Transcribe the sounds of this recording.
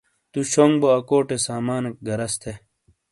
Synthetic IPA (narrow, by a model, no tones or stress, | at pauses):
t̪uɕoŋboɐkoːʈesaːmaːnek̚ɡɐɾɐst̪ʰe